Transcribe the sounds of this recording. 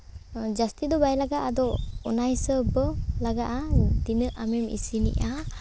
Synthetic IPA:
d͡ʒast̪id̪ɔbajlaɡaʔad̪ɔɔnajsəbəlaɡaʔat̪inəʔamɛmḭsinḭʔa

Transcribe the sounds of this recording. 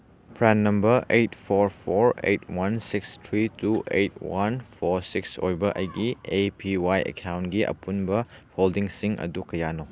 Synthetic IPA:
pʰɾɛnːɐmbɐɾejtpʰoɾpʰoɾejtʰwansikstʰɾituʔejt̚wanpʰoɾsikso̰jbɐʔɐ̰jɡiepʰiwajḛkʰawntɡiʔɐ̰punbɐholdiŋsiŋʔɐ̰dukɐjano

